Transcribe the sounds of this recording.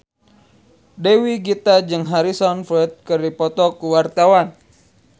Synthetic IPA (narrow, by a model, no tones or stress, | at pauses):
dewiɡit̪ad͡ʒɨŋɦaɾisɔnflɛt̪̚kɨrdipɔt̪ɔkuwart̪awan